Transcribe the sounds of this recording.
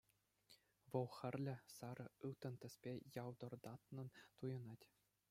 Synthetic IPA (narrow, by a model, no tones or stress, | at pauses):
ʋɤ̆lˠxʲɘ̆rʲlʲɘ̆sɑɾɤ̆ɯt̪ɤ̆nt̪ʲɘ̆sʲpʲejɑwd̪ɤ̆rd̪ɑt̪nɤ̆nt̪ujɤ̆nɑtʲ